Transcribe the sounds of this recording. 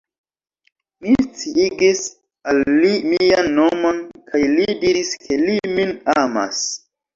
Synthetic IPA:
mist͡siiɡis | alːimianːomo̞nkʰajlidiɾiskʰe̞liminama̰s

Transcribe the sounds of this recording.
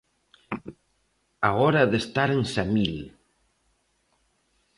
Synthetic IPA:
aɔɾaðest̪aɾensamil

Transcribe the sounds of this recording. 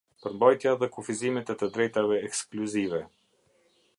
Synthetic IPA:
pəɾmbajt̪jaðɛkufizimɛt̪ɛt̪əd̪ɾɛjt̪avɛːkskluzivɛ

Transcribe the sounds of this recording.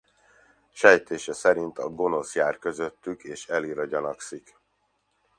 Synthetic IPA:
ʃɛjt̪eːʃɛsɛɾint̪ɒɡo̞no̞sjaːrkø̞zøt̪ːykeːʃɛliɾɒɟɒnɒksik

